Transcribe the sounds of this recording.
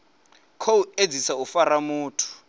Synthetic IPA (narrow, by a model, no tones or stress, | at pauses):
kʰoued͡zisaufaɾamuːtʰu̥